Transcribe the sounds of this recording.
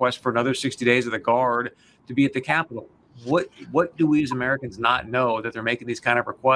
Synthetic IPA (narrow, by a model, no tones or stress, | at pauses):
w̥ɛstfə˞ɨnʌðə˞sɪkstiɾeɪzʌvðɨɡɑɹd̚ | tʰɨbiɨt̪̚ðɨkʰæpəɾl̩ˠ | wʌt̚wʌt̚d̥əwiɨzɨmɛɹɨkɨ̃nznətⁿnoʊðɨt̪̚ðə˞meɪkɪ̃ŋðiz̥kʰãɪ̃ndʌvɹəkʰw̥ɛ